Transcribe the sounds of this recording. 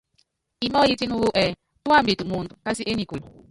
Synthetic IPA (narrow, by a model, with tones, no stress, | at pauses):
i˦mɔ˦ji˦ti˦nu˦wu˦ʔɛ˨ | tu˦a˦˨m˦bi˨tu˨mu˨n̩˨dka˦si˦e˦ni˨kʷu˨l